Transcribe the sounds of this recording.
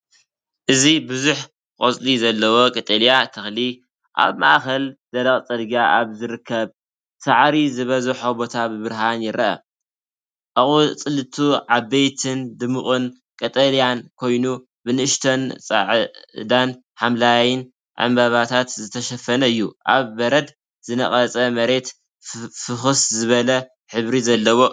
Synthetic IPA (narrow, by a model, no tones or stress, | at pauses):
ʔɨzibɨzuħ | kʼot͡sʼlizɐlːɐwo̞kʼɐt̪ʼɐljat̪ʰɐxli | ʔa̰βmaʔakɐlz̥ɐlɐχʼt͡sʼɐlɡiaʔaβzɨɾɨkʰːɐβ | saʕɾizɨβɐzɨħobo̞t̪ʰabɨβɨɾɦanjɪɾɐʔɐ̰ | ʔʼɨχʼut͡sʼɨlɨt̪ʰuʕaβːejt̪ʰɨnd̪ɨmɨχʼɨn | kʼɐt̪ʼɐlijankʰo̞jnu | bɨnɨʔɨʃt̪ʰont͡sʼa̰ʕd̪an | ħamlajɪn | ʕa̰mbaβat̪ʰat̪zɨt̪ʰɐʃɐfːɐnɐɨjːuʔa̰βːɐɾɐd̪ | zɨnɐχʼɐt͡sʼɐmɐɾe̞t̪ | fɨxuszɨβɐlɐ | ħɨβɾizɐlːɐwo̞